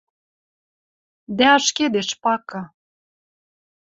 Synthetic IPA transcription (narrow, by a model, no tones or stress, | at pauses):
d̪æɑʃked̪eʃpɑkɑ